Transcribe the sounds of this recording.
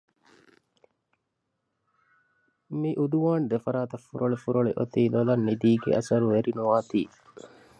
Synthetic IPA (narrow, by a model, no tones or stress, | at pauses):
miʔud̪uʋaːnd̪efɐɾaːt̪ɐfːuɾʔoɭefuɾoɭeʔot̪iːlolɐnːid̪iːɡḛʔɐsɐɾuʋeɾinuʋaːt̪ḭː